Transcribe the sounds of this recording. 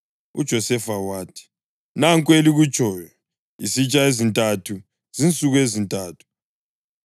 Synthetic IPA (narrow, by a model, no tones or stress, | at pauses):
ṵd̥ʒ̥ʱɔsɛfawaːtʰi̥ | naŋkʼweliɣut͡ʃʰʼɔːjɔ | isit͡ʃʼaezintʼatʰu | z̥int͡sʼuɣuezintʼaːtʰu̥